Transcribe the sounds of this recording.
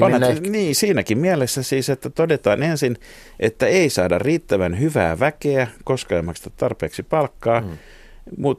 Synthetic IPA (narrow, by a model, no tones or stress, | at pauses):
oneniːsiːnækimmiælesːæsiːset̪ːæt̪odet̪ɑːnensin | ʔet̪ːæeisɑːdɑ̰rriːt̪ːæʋænhyʋæ̰ːʋækeækoskɑɑmːɑkst̪ɑ̥tt̪ɑrpeːksipɑlkːɑː | mut̪